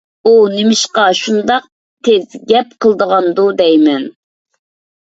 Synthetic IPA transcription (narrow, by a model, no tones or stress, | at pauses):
unɪmɪʃqɑʃund̪ɑq̚ | t̪ʰɪzɡʲɛp̚qʰəlˠd̪əʁɑnd̪ud̪ɛjmɛn